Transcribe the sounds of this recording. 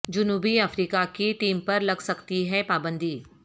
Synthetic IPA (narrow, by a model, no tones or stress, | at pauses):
d͡ʒʊnuːbiɐfɾiːkakiʈiːmpɐɾlɐɡsɐkt̪iɦɛpaːbə̃nd̪ʱiː